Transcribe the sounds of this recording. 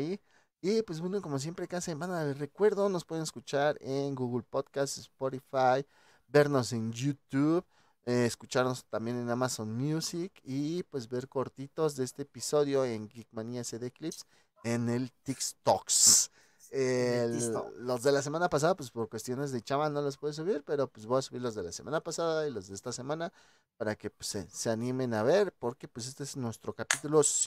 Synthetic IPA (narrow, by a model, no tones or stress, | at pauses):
i | ipwe̞zbwenoko̞mo̞s̬je̞mpɾekasebanaere̞kwe̞ɾðo̞nospwe̞ðeneskut͡ʃaɾeŋɡuɣulpoðkast̪espoɾifaj | be̞ɾno̞se̞njut̪uβ | eːskut͡ʃaɾno̞st̪ambje̞ne̞namasonmjusikipwe̞zbe̞ɾko̞ɾt̪it̪o̞zðeest̪eːpiso̞ðjo̞eŋɡikmaniaseðeklips | ene̞lt̪ikst̪oks | e | lo̞zðe̞las̬e̞mãnapas̬aðapwespo̞ɾkwest̪jo̞ne̞zðe̞t͡ʃaβalno̞los̬pweðes̬uβiɾpe̞ɾo̞pwezβojasuβiɾlo̞zðe̞lasemanapasaðailo̞zðeest̪ase̞mãna | paɾake̞pweseseanime̞naβe̞ɾpo̞ɾke̞pwes̬e̞st̪oesnwe̞st̪ɾo̞kapit̪ulos